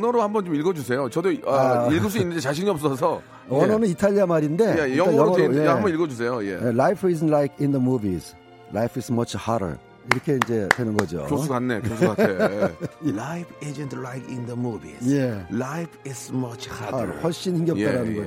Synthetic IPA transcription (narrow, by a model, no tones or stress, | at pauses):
ʌnʌɾohambʌnt͡ɕomilɡʌd͡ʑusʰe̞jot͡ɕʌdoailɡus̬͈uiinːɯndet͡ɕaɕ̬ʰiɲiʌp̚s͈ʌs̬ʰʌ | ʌnʌnɯnitʰaʎːiamaɾinde̞eiʌŋajʌŋʌjeɦambʌniɭɡʌd͡ʑus̬ʰe̞jojḛjlajpʰiznlajkʰindəmubis | lajpʰismʌt͡ɕʰhaɾə̰˞ | iɾʌkʰe̞ind͡ʑe̞dwe̞nɯnɡʌd͡ʑo̰ouɡanːeosʰae | lajpʰed͡ʒentlajkɪ̃ndəmubḭzjelajpʰɪsmʌt͡ʃʰhaɾ̰hwʌɭɕ͈inhimɡjʌkt͈aɾanɯnɡʌ